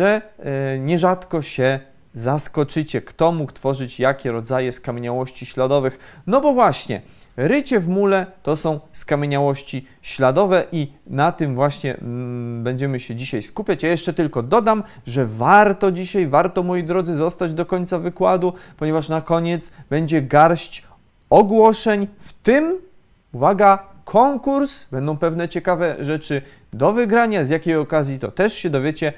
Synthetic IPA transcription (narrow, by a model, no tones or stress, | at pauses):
ʐɛɲɛʐat̪kɔɕɛ | zaskɔt͡ʂɘt͡ɕɛkt̪ɔmukt̪fɔʐɘt͡ɕjakʲɛɾɔd̪zajɛskamʲjeɲawɔɕt͡ɕiɕlad̪ɔvɘxnɔbɔvwaɕɲɛ̰ | ɾɘt͡ɕɛvmulɛt̪ɔsɔ̃w̃skamʲjeɲawɔɕt͡ɕi | ɕlad̪ɔvɛʔinat̪ɘmvwaɕɲɛ̰bɛɲd͡ʑɛmɘɕɛd͡ʑiɕajskupʲjat͡ɕjajɛʂt͡ʂɛt̪ɘlkɔd̪ɔd̪am | ʐɛvaɾt̪ɔd͡ʑiɕajvaɾt̪ɔmɔjid̪ɾɔd̪zɘzɔst̪ad͡ʑd̪ɔkɔɲʲt̪savɘkwad̪upɔɲɛvaʂnakɔɲɛdt̪zbɛɲd͡ʑɛɡaɾɕt͡ɕ | ɔɡwɔʂɛɲft̪ɘm | uvaɡa | kʰɔŋkuɾsbɛnd̪ɔ̃w̃pɛvnɛt͡ɕɛkavɛʐɛt͡ʂɘ | d̪ɔvɘɡɾaɲazjakʲejɔkazʲjit̪ɔ̰t̪ɛʂɕɛd̪ɔvʲjɛt͡ɕɛ